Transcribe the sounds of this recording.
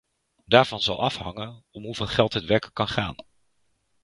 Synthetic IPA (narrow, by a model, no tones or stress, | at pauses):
daːɹvɑnzɑlˠɑfhɑŋənɔmɦuvɪːlˠχɛlˠtɦətʋɛɹkəkːɑnχa̰ːn